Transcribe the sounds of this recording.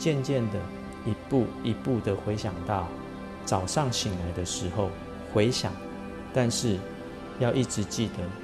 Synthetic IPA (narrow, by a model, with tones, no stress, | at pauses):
t͡ɕjɛ˥˧nt͡ɕjɛ˥˨nd̪ə˩ | i˧˦pu˥˨i˨˥pu˥˨d̪ə˨xwe˨˦ɪɕjɑ˨˩ŋt̪ɑ˥˨ʊ | t͡sɑ˨˩ʊʂɑ˥˩ŋɕi˨˩ŋla˨˦ɪd̪ə˨ʂɻ̩˧˥xo˥˨ʊ | xwe˧˦ɪɕjɑ̰˨˩ŋ | t̪a˥˧nʂɻ̩˥˨ | jɑ˥˧ʊʔi˥˩ʈ͡ʂɻ̩˨˦t͡ɕi˥˨d̪ə˩